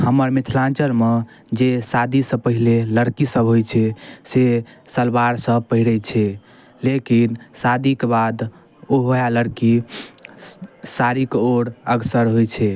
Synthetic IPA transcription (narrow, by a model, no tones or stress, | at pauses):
həməɾmit̪ʰlãnt͡ʃəɾme | d͡ʒesad̪ʱisə̃pəɦileləɽkisəbɦojt͡ʃʰɛsesəlbaɾsə̃pəɦiɾɛt͡ʃʰɛ | lekinsad̪ʱikebad̪ | oɦojaləɽki | saɾikoɽəɡsəɾɦojt͡ʃʰɛ